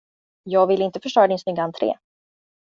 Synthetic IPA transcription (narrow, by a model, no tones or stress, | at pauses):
jɑːɡvɪlɪnt̪əfœʂɭœːɾad̪ɪnsnʏɡːaant̪ʰɾḛː